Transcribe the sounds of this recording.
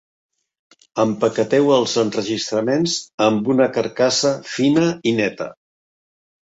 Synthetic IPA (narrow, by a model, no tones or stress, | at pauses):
əmpəkət̪ɛwəlˠzənrəʒist̪ɾəmenzəmbunəkəɾkasəfinəinɛt̪ə̰